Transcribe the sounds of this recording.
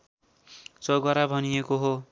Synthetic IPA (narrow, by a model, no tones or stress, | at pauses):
t͡sʌɡʌɾabʱʌnijekoɦo